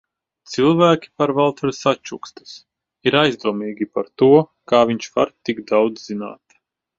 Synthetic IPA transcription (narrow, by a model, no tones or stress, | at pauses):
t̪silˠvæːkʲi̥paɾvalˠt̪ʰaɾsat͡ʃukst̪ḁs | iɾajzd̪uɔmiːɡʲipaɾt̪uɔkaːviɲʃva̰ɾt̪iɡd̪awd̪zzina̰ːt̪